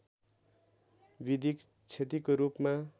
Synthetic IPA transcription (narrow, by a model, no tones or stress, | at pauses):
bid̪ʱik | t͡sʰet̪̬ikoɾupma